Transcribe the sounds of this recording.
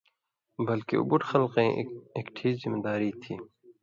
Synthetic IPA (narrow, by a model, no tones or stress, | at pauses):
bɐlkḛṵbuʈxɐlqẽːeːkʈʰiːzzɪmeːd̪aːɾiːt̪ʰiː